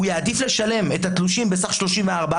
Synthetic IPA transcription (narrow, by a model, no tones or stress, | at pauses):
ujaːd̪ifleʃale̞me̞t̪hat̪luʃimbesaχʃlo̞ʃimveaʁba